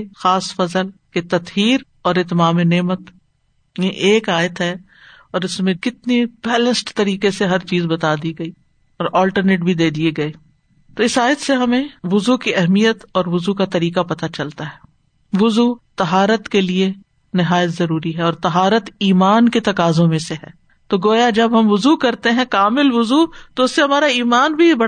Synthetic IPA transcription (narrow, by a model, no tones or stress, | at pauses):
xaːsfɐzəlket̪ɐt̪ɦiːɾ | ɔːɾɪt̪maːmeneːmət̪ | mẽʔeːkaːjət̪ɦɛ | ɔːɾɪsmẽkɪt̪nib̥ɛːlə̃nsʈt̪ɐɾiːkeseɦɐɾt͡ʃiːzbɐt̪ad̪iɡɐiː | ɔːɾɔːlʈəɾneːʈbʱid̪eːd̪ieɡɐeː | t̪oɪsaːjət̪seɦɐmẽʋʊzukiɛɦmijət̪ɔːɾʋʊzukat̪ɐɾiːkapɐt̪at͡ʃɐlt̪aɦɛː | ʋʊzuːt̪ɐɦaːɾət̪kelie | nɪɦaːjət̪zɐɾuːɾiɦɛɔːɾt̪ɐɦaːɾət̪iːmaːnket̪ɐkaːzõmẽseɦɛː | t̪oɡoːjad͡ʒɐbɦɐmʋʊzukɐɾt̪eɦɛ̃kaːmɪlʋʊzut̪oʊsːeɦɐmaːɾaiːmaːnbʱibɐɽ